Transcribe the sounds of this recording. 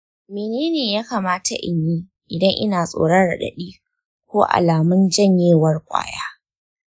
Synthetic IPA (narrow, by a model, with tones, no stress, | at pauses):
meː˨neː˦neː˨jaː˦kaː˨maː˦ta˨ʔɪ̰˨ɲjiː˦ | ʔɪ˨dɐ˦ŋʔɪ̰˦naː˨sʼo̰ː˨ɽɐ˦nɽɐ̰˨ɗɐ̰˨ɗiː˦ | kʷoː˦ʔa̰˨laː˨mʊ˦nd͡ʒɐ˦ɲjeː˦˨wɐ˦rkʷʼa̰ː˦jaː˦